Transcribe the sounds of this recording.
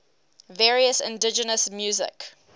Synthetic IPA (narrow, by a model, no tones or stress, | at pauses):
vɛːɹiəsɪ̰̃ndɪd͡ʒənəsmjuːzɪ̰k